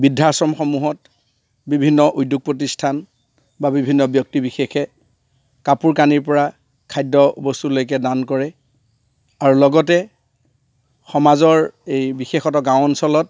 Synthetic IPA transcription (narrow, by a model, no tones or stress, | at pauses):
bidʱasɔmxɔmuɦɔt | bibʱinːɔʔudʱjuɡ̚pɹɔt̬istʰan | babibʱinːɔbjɔk̚tibixexɛ | kapuɹkaniɹpɔɹa | kʰajdɔbostulojk̬ɛdankɔɹɛ | aɹulɔɡɔtɛ | xɔmazɔɹejbixexɔtɔɡãwɔnsɔlɔt̚